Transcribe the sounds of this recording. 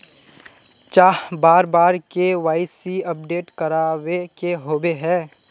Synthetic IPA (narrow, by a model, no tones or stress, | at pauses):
t͡ʃaːɦbaːɾbaːɾkeʋaːɪsiɐp̚ɖeːʈkɐɾaːwekeɦoːbeɦɛː